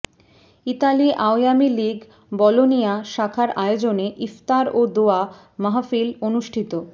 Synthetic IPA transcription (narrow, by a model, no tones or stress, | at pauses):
it̪aliʔaojamiliɡ | bɔlonijaʃakʰaɾaeod͡ʑoneʔift̪aɾod̪oa | maɦafilonuʃʈʰit̪o